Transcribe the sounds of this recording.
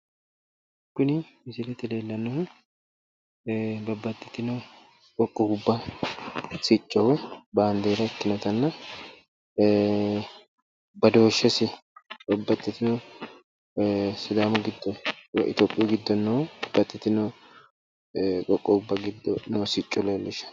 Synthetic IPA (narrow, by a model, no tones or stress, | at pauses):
kːʊnɪmɪsɪlɛt̪ɪleːlːɐnːɔ | bɐbːɐt̪ʼːɪt̪ːɪnɔ | kʼɔkʼːɔhʊbːɐ | sɪt͡ʃʼːɔwɛbaːnd̪eːɾɐɪt̪ːɪnɔt̪ɐnːɐ | bɐd̪o̞ːʃːɛsɪbɐbːɐt̪ʼːɪt̪ɪnɔ | sʊd̪aːmʊɡɪd̪ːɔʔɪ̰t̪oːpʼːɪjɔɡɪd̪ːɔnːɔwbɐbːɐt̪ʼːɪt̪ːɪnɔ | kʼɔkʼːɔʊbːɐɡɪd̪ːɔnːosɪt͡ʃʼːɔlelːɪʃɐ̥